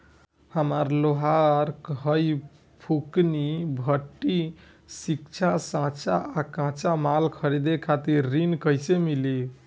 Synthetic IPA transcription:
həməɾloɦaɾkɦəj | pʰuknibʱəʈːi | sikt͡ʃʰasãt͡ʃʰaakãt͡ʃamalkʰəɾed̪ekʰat̪iɾːinkəjsemili

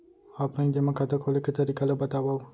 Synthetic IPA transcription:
apɾãĩd͡ʒemãkʰat̪əkʰoleket̪əɾikalobət̪aʋaw

